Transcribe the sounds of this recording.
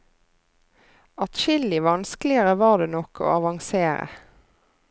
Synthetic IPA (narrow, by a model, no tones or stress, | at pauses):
ɑt̪ʃɪlɪʋɑnsklɪəʁəʋɑːd̪eːnɔkʰo̰ːɑʋɑŋseːʁə̰